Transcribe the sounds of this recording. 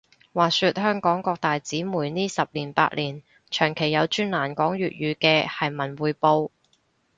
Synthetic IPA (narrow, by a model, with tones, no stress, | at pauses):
waː˨syː˧t̚hœː˥ŋkɔː˨˥ŋkɔː˧k̚t̪aː˨jt͡siː˨˥muː˨˩jniː˥sɐ˨p̚liː˨˩npa̰ː˧t̚liː˨˩n | t͡ʃʰœː˨˩ŋkʰe˨˩jːɐ˨˧wt͡ʃyː˥nlaː˨˩nkɔː˨˥ŋɥyː˨t̚jyː˨˧kɛː˧hɐ˨jmɐ˨˩nwuː˨˧jpo˧w